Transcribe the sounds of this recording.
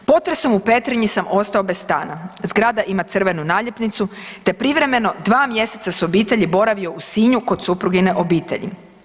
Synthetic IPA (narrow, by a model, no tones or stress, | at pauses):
po̞t̪ɾeso̞mupe̞t̪ɾiɲisamo̞st̪ao̞be̞sst̪aːnazɡɾaːd̪aʔimat̪sr̩ʋe̞nunaːʎepnit̪sut̪e̞pɾiʋɾe̞me̞no̞d̪ʋaːmje̞se̞t̪sasobiːt̪e̞ʎibo̞ɾaʋio̞usiːɲuko̞d̪supɾuɡine̞ʔo̞biːt̪e̞̰ʎḭ